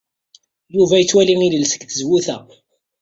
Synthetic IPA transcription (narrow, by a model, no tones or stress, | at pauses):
juvæjət͡sːwæliŋiləlsə̥kθəzwuθæ